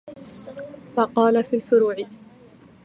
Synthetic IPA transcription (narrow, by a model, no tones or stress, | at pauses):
fɑqɑːlafiːlfʊɾuːʕɪ